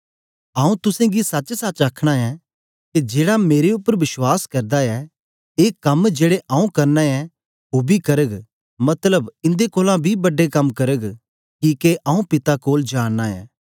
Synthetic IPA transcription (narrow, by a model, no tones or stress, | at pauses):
aːũt̪ʊsɛ̃ɡisɐt͡ʃsɐt͡ʃaːkʰɽ̃aɛ | ked͡ʒeːɽameːɾeʊpːəɾʋɪswaːskɐɾd̪aɛ | eːkɐmd͡ʒeːɽeʔaːũkɐɾnãɛ | ɦoːbʱikɐɾəɡ | mɐt̪ləbɪ̃nd̪ekoːlãbʱibɐɖːekɐmkɐɾəɡ | kiːkeʔaːũpɪt̪akoːld͡ʒaːɽːaɛ̰ː